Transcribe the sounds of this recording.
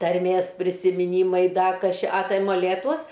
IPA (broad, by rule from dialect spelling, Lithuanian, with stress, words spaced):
tɐrʲˈmʲeːs pʲrʲɪsʲɪmʲɪˈnʲiːmɐɪ ˈdɐ ˈkɐs ˈt͡ʃʲɛ ɐ ˈtɐɪ moːˈlʲeːtuɔs